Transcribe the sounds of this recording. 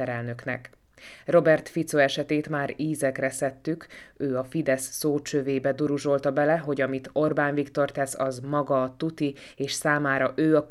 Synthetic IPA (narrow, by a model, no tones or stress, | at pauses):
ɛɾɛlnø̞knɛ̰k | ro̞bɛrt̪fit̪soɛʃɛt̪eːt̪maːɾiːzɛkrɛsɛt̪ːykøːɒfid̪ɛsːoːt͡ʃøveːbɛd̪uɾuʒo̞lt̪ɒbɛlɛɦo̞ɟɒmit̪o̞rbaːnvikt̪o̞rt̪ɛsɒzmɒɡɒt̪ut̪i | eːʃsaːmaːɾɒʔøːɒk